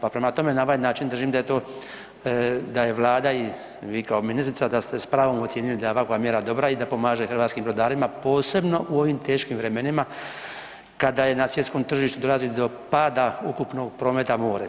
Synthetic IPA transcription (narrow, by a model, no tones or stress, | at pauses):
papɾe̞mat̪o̞me̞nao̞ʋajnaːt͡ʃind̪r̩ʒiːmd̪aje̞t̪o̞ː | d̪aje̞ʋlˠaːd̪ai | ʋiːkaominist̪ɾit̪sad̪ast̪espɾaːʋomot̪sjeːnilid̪aeoʋakoɡamjeːɾad̪o̞bɾaid̪apo̞maːʒexɾrʋaːt̪kiːmbɾo̞d̪aːɾimapo̞ːse̞bno̞ʔuo̞ʋimt̪e̞ːʃkimʋɾe̞me̞nima | kad̪aje̞nasʋjet̪skoːmt̪r̩ʒiːʃt̪ud̪olazid̪o̞ | paːd̪aukupno̞ɡpɾoːmet̪amoːɾe